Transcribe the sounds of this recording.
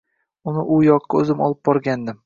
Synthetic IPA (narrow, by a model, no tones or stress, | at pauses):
ʊnɪʔʊjɒqʰːɑɵzɪmɒ̰lˠɪp̚bɒɾɡʲand̪ɪm